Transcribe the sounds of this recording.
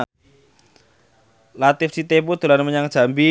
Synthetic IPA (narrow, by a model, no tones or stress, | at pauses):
lat̪ɪfsit̪ep̬ud̪̥ṳlanməɲaŋ̥ʒ̥a̤mbi